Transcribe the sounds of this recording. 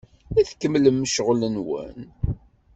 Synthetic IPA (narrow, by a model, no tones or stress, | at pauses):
æθkːəmləmːəʃəʁlənwə̰n